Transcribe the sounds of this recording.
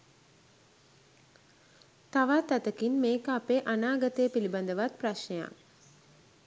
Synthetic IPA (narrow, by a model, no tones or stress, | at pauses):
t̪aʋat̪at̪əkinmeːkəapeʔanaːɡət̪eːpiliband̪əʋat̪̚praʃnəja̰